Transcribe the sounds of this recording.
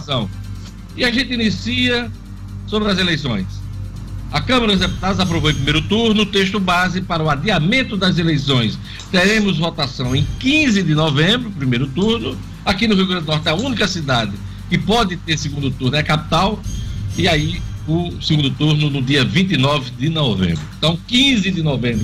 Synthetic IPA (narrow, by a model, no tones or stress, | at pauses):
sɐ̃w̃ | ɪaʒẽnt̪ɪinisiɐ | sobɾɪɐzelejsõ̰j̃s | ɐkɐ̃mɐɾɐd̪ʊzd̪epu̥t̪ad̪ɐzap̬ɾovoẽpɾimejɾʊt̪uɾnʊːt̪eʃt̪ʊbazɪpaɾɐʊad̪iamẽnt̪ʊd̪ɐzelejsõj̃s | t̪eɾẽmʊzvot̪asɐ̃w̃ẽj̃kĩzɪd̪ɪnɔvẽbɾʊpɾimejɾʊt̪uɾnʊ | akinʊɦiuwɡɾɐ̃d̪ʊnɔɾt̪ɪaũnikɐsid̪ad̪ɪ | kɪpɔd̪ɪt̪eɾsɪɡũnd̪ʊt̪uɾnʊɛkapi̥t̪awiaiʊsɪɡũnd̪ʊt̪uɾnʊnʊd̪iɐvĩnt̪inɔvɪd̪ɪnɔvḛ̃mbɾʊẽt̪ɐ̃w̃kĩzɪd̪ɪnɔvẽmbɾʊ